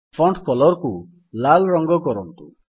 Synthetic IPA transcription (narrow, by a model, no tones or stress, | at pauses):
pʰɔɳʈkɔlɔɾku | lalɾɔŋɡɔkɔɾɔnt̪ṵ